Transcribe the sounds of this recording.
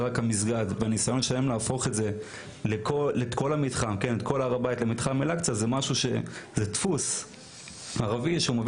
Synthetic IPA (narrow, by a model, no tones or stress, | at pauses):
ʁakamis̬ɡad̪veanisajo̞nʃaemlaːfo̞χe̞tze̞ | lekʰoet̪ko̞lamit̪χamkenet̪ko̞laːʁabaitlemit̪χamelakt͡sazemaʃuʃe̞̰zet̪fus | aʁaviʃeumev